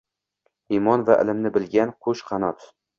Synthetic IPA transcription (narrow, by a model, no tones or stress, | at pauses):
imɒnvaʔɪ̰lɪmnɪbɪlɡʲanqʰʊʃqʰɑnɒt̪